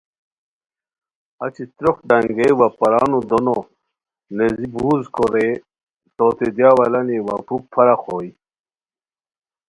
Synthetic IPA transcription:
ɐ̰t͡ɕit̪ɾoxɖɐŋɡewapɐɾaːnud̪ono | nezibuːzkoɾe | t̪oːt̪ed̪jaːwɐlɐniwa̰puk̚pʰɐɾaxoːj

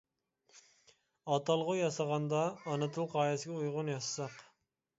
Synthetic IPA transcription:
ɑt̪ɑlˠʁʊjɑsɑʁɑnd̪ɑːnɨt̪ʰuqʰɑːjɛsɪɡʲɛujʁʊnjɑʃsɑq

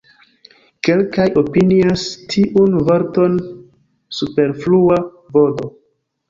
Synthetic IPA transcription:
ke̞lkajo̞piniastʰiʔunvoɾto̞n | supe̞ɾflua | vo̞do̞

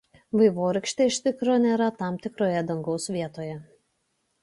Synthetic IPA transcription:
ʋɐɪʋoːɾɐɪkʃʲt̪ʲeɪʃt̪ʲɪkɾoːnʲeːɾɐt̪ɑˑmt̪ʲɪkɾoːjɛd̪ɐŋɡɒʊsʋʲiɛt̪oːjɛ

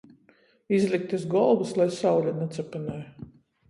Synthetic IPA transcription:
izlʲik̚t̪ɨsɡɔlˠbɨslˠajsawlʲanɛt̪sɛpanaj

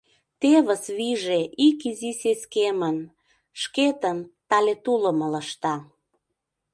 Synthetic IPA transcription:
t̪eβəsβiʒeʔikiziseskemən | ʃket̪əmt̪ɑlet̪ulə̆mələʃt̪ɑ

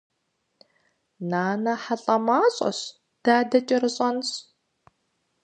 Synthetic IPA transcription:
naːnɐħaɬʼɐmaːɕʼɐ̰ɕ | d̥aːdɐt͡ʃʼɪrɨɕʼɐnɕ

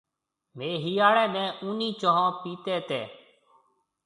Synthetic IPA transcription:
meːɦiːaːɭɛːnɛ̃ːʔʊːniːt͡ʃõːɦãːpiːt̪eːt̪ḛː

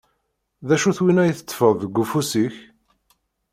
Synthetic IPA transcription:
ðæʃuθwinæjθət͡s̪ːfəðˤðəɡʷːufusiç

